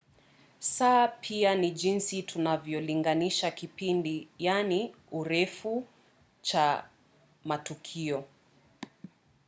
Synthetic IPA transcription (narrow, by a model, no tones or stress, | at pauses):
sapʰianiʄinsitʰunavjɔliŋɡaniʃakipindijani | uɾɛfu | t͡ʃa | matukʰiɔ